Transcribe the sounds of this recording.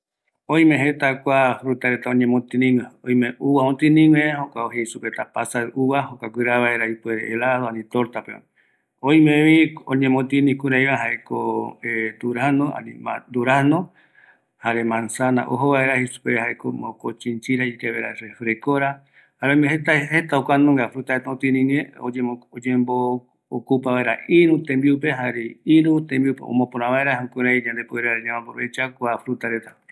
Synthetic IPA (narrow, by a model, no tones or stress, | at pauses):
õj̃mẽɦet̪akʷafɾut̪aɾet̪aõɲẽmõt̪inĩŋʷeoj̃mẽuβaont̪inĩŋwehokʷaoɦeisupet̪apasaeʔuβaɦokʷakʷɨɾaβaeɾaipweɾḛʔelaðoanĩt̪oɾt̪apea̰ | õĩmẽβiõɲẽmõt̪inĩkuɾajβaɦaekoed̪uɾahnõa̰nĩma̰d̪uɾahnõ | haɾemãnsanã̰ʔoɦoβaeɾahisu̥pehaekomõkot͡ʃint͡ʃiɾaik̪eβaɾa̰ɾefɾekoɾa | aɾemeɦet̪ahet̪aokʷanõŋɡafɾut̪aɾet̪aõt̪ĩnĩɲẽoeod͡ʒẽmboː | kupaβaeɾaʔiɾũt̪ẽmbiupeɦaɾeiɾut̪ẽmbiupḛõ̰mõpoɾnãβaeɾaɦukuɾajɲãnd̪epueɾaɾɲãmãpoɾoβet͡ʃakʷafɾut̪aɾet̪ḁ